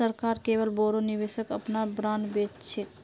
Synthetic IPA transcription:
əɾkaːɾkeːʋəlboːɾonɪʋeːʃəkəpnabɾaːnbeːtt͡ʃʰe

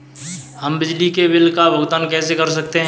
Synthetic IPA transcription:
ɦɐmbɪd͡ʒlikebɪlkabʱɐɡt̪ankɛːsekɐɾs̬ɐk̚t̪eɦ

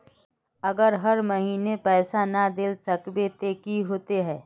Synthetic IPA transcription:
ɐɡəɾɦɐɾmɐɦiːnepɛːsanad̪ɪlsɐkbet̪eːkiɦoːt̪eɦɛː

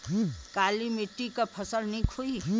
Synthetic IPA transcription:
kaːlimiʈːikapʰəsəlnĩkʰoi

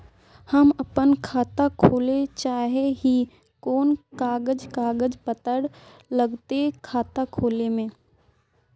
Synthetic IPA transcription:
həməpənkʰaːt̪akʰoːlet͡ʃaːɦeɦi | koːnkaːɡəd͡ʒkaːɡəd͡ʒpət̪əɽ | ləɡt̪ekʰaːt̪akʰoːlemẽː

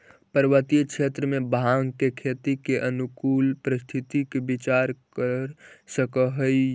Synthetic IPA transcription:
pəɾʋət̪it͡ʃʰet̪ɾəmebaŋkekʰet̪ikeʔənukulpɾist̪ʰit̪ikebit͡ʃaɾkəɾsəkəɦə

